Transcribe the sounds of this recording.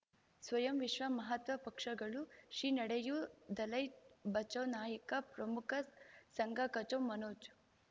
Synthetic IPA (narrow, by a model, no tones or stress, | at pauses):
sʋɐjɐmʋiʃʋɐmɐɦɐt̪ʋɐpɐkʂɐɡɐɭuʃiːnɐɽejud̪ɐlɐjbɐt͡ʃɐwnaːjikɐpɾɐmukʰɐsɐŋɡɐkɐt͡ʃɐwmɐnoːd͡ʒ